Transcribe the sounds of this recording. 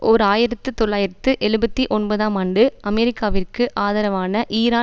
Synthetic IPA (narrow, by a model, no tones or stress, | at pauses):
ʔɔɾɯaːjɪɾɐt̪ːɯt̪ɔɭːaːjɪɾɐt̪ːɯʔɛɻɯbɐt̪ːiʔɔnbɐðaːmaːɳɖɯɐmɛɾɪkːaːʋɪrkɯʔaːðɐːɾɐʋaːnɐʔiːɾaː